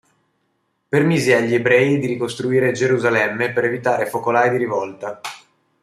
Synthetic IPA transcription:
permiziaʎːiebɾɛːid̪iɾikost̪ɾuiːɾed͡ʒeɾuzalɛmːepeɾevit̪aːɾefokolaːid̪iɾivɔlt̪a

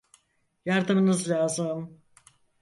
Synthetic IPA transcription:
jaɾd̪ɯmɯnɯzlʲaːzɯm

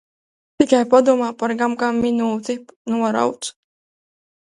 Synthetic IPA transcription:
t̪ikajpad̪umaːpaɾɡamkamːinuːt̪inuɔɾa̰wt̪s

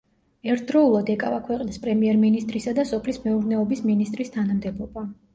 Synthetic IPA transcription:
ɛɾt̪̚ʰd̪ɾɔulˠad̪ɛkʼavakʰwɛqʼnispʼɾɛmiɛɾminist̪ʼɾisad̪asɔpʰlismɛuɾnɛɔbisminist̪ʼɾist̪ʰanamd̪ɛbɔba

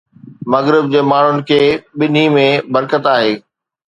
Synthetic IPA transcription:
mɐɣɾɪb̚d͡ʑeːmaːɳ̤ʊnɪ̆kʰeːɓɪn̤imẽbɐɾkət̪aːɦeː

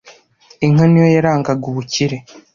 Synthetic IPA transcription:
iŋanijojaɾaːŋɡaɡuβuciɾe̞

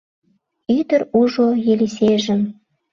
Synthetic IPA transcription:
yd̪əɾuʒojeliseʒə̆m

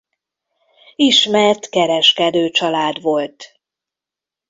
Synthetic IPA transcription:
iʃmɛrt̪kɛɾɛʃkɛd̪øːt͡ʃɒlaːd̪ʋo̞lt̪

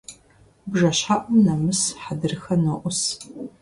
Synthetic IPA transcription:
bʒɐɕħaʔʷʊmnɐmɨsħadɨrɨxɐnɐʔʷʊs

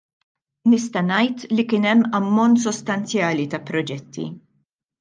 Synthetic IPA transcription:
nɪst̪ɐnɐjt̪likɪnɛmːɐmːɔnt̪sɔst̪ɐnt͡sjɐːlit̪ɐpɾɔd͡ʒɛt̪ːḭ

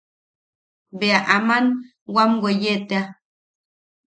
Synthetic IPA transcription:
beaʔaman | wamɡʷejet̪ea

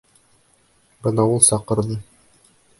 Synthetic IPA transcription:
bɤnɑulˠsɑqɤ̆ɾðɤ

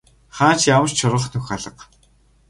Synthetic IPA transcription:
χaːnt͡ɕjawə̆t͡ɕt͡ɕʰʊɾʁə̆χnʰɵxʲaɮə̆q

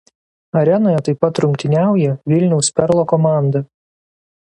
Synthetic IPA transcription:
ɐɾʲɛnoːjɛt̪ɐɪpːɐt̪ːɾʊŋʲkʲt̪ʲɪnʲæˑʊjɛʋʲɪlʲnʲɛʊspʲɛɾlˠoːkɔmɑˑnd̪ɐ

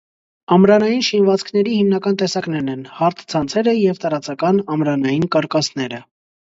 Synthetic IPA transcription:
ɑmɾɑnɑjinʃinvɑt͡sʰkʰnɛɾihimnɑkɑnt̪ɛsɑknɛnɛnhɑɾt̪ʰt͡sʰɑnt͡sʰɛɾəjɛvt̪ɑɾɑt͡sɑkɑnɑmɾɑnɑjinkɑɾkɑsnɛɾə

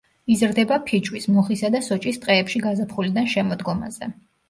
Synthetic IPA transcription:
izɾd̪ɛbapʰit͡ʃʼwismɔχisad̪asɔt͡ʃʼist̪ʼqʼɛːpʃiɡazapʰχulid̪anʃɛmɔd̪ɡɔma̰zɛ̰

